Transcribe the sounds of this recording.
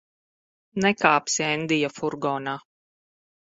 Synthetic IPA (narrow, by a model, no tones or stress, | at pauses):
nɛkaːpsiɛnd̪ijafuɾɡɔːnaː